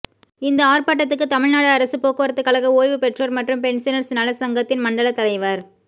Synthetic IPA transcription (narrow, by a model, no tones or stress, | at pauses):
ɪnd̪ɐaːrpaːʈ̬ːɐt̪ːɯk̬ːɯt̪ːɐmɪɻnaːɽɯɐɾɐsɯpoːkːɯːɐɾɐt̪ːɯkːɐɭɐɣɐoːjʋɯpɛʈrɐɾmɐʈrɯmpɛɳsɪnɐɾsnɐlɐsɐŋɡɐt̪ːɪnmɐɳɖɐɭɐt̪ːɐlɐɪʋaːɾ